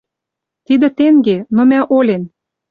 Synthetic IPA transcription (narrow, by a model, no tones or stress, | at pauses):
t̪id̪ə̆t̪eŋɡenomæʔolʲen